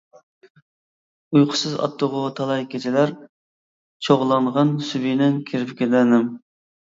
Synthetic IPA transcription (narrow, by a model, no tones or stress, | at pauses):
ujqʰʊ̥sɨzɑ̰t̪ʰːʊʁʊt̪ʰɑlˠɑjkʲʰet͡ʃ̪ʰɪlæɾ | t͡ʃʰoʁlˠɑɴʁɑnsybinɛnkʲʰiɾɪpkʲelɛnɪm